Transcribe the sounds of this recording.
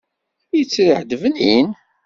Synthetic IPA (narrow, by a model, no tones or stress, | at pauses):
jət͡sːɾiħd̪əvənḭn